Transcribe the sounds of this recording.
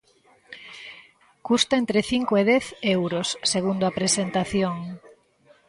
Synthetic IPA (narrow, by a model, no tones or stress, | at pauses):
kust̪aent̪ɾeθiŋkoeð̞ɛθewɾosːeɣund̪oapɾesent̪aθjoŋ